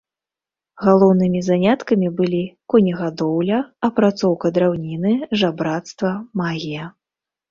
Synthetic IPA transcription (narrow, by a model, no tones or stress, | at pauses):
ɣalˠɔwnɨmʲizanʲat̪kɐmʲibɨlʲikɔnʲɐɣad̪ɔwlʲɐɐpɾat̪sɔwkɐd̪ɾawnʲinɨʐabɾat̪st̪vɐmaɣʲijɐ